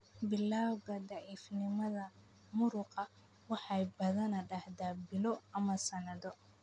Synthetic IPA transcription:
bɪlaːwɡɐd̪ɑʕiːfnɪmɐðɐ | mʊɾʊqɑ | wɑħɑjbɐðɐnɐɖɑhd̪aːbɪlɔɐmɐsɐnɐðɔ

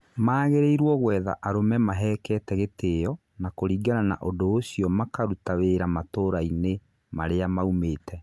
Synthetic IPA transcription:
maːɣeɾeiɾwɔɣwɛːða̰ʔaɾomɛmaɦɛːkɛtɛɣetejɔ | nakoɾiːɡanana̰ʔodoːɕijɔmakaɾutaweɾamatoːɾaine | maɾeamaumeːtʰɛ

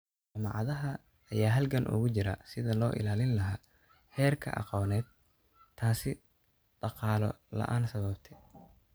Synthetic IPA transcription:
t͡ʃɐmɑ̰ʕɑðɐɦɐː | jaːɦɐlkʰɐnʔʊ̰ɣʊt͡ʃɪɾɐ̰sɪðɐlɔːʔɪ̰laːlɪnlɐɦaː | hɛːrkʰɐ̰ʔɑ̰qɔːnɛːd̪̚ | t̪ʰaːsɪ | ɖ̥ɑqɑːlɔ̰lɐ̰ʔaːnsɐβɐbt̪ʰɛ

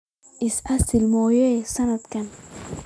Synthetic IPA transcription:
isasilmɔːjesanat̪kan

